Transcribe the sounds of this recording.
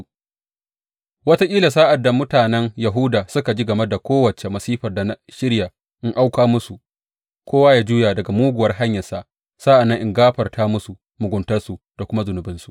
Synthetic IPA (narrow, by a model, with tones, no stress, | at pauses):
wɐ˦ta˦kʲʼiː˦la˨saː˦ʔa˨dːa˨mʊ˦taː˨nɛ˦ŋja˨ɦu˦daː˨sʊ˦ka˨d͡ʒi˦ɡɐ˨mɛ˦da˨kʷoː˦wɐ˨t͡ʃe˨mɐ˨siː˦ɸɐ˨rda˨na˦ʃɪ˦ɽja˨ | ʔɪ˦ŋʔa˦wkʷaː˦mʊ˦su˨ | kʷoː˦waː˦jaː˦d͡ʒuː˦jaː˨dɐ˨ɡa˨muː˦ɡʷʊ˨wɐ˦rɦa˦ɲjɐ˨rsa˦ʔ | saː˦ʔa˨nːɐ˦ŋʔɪ˦ŋɡaː˦ɸɐ˨rtʰaː˦mʊ˦su˨ | mʊ˨ɡʷʊ˨ntɐ˦rsu˨ | d̥a˨kʷʊ˦ma˦zʊ˨nʊ˨bɪ˦nsu˦ʔ